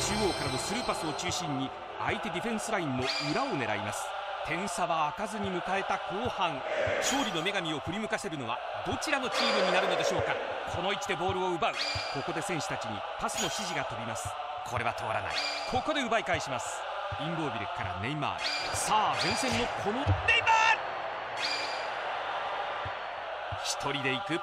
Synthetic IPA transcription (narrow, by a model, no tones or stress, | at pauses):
t͡ɕɨːoːkaɾano̞sɨɾɯːpasɨo̞t͡ɕɨːɕĩɲ̟ːi | a̰it̪e̞d̪ʲiɸẽ̞ɰ̃sɨɾaĩnːo̞ɯ̟ɾaone̞ɾa̰imasɨ̥ | t̪ʰẽ̞ɰ̃saβaːkazɨɲ̟imɯ̟kae̞t̪ako̞ːhãŋɕo̞ːɾʲino̞me̞ɡamʲio̞ɸɯ̟ɾʲimɯ̟kase̞ɾɯ̟no̞βa̰ | d̪o̞t͡ɕiɾano̞t͡ɕʲiːɾɯɲ̟inaɾɯ̟no̞d̪e̞ɕo̞ːka | kʰo̞no̞it͡ɕid̪e̞bo̞ːɾɯ̟oɯ̟baɯ̟ko̞ko̞d̪e̞sẽ̞ɰ̃ɕɨ̥t̪at͡ɕiɲ̟ḭ | pasɨno̞ɕiʑiɡat̪o̞bʲimasɨ̥ | kʰo̞ɾe̞βat̪o̞a̰ɾa̰na̰ḭkʰo̞ko̞d̪e̞ɯ̟baikaiɕimasɨ̥ | ĩmd̪o̞ːbʲiɾḛkkʰːaɾa̰nẽ̞mmːa̰ːɾḭsaːd͡zẽ̞ɰ̃sẽ̞nːo̞kʰo̞nonemaːɾ | çi̥t̪ʰo̞ɾʲid̪e̞ikɯ̟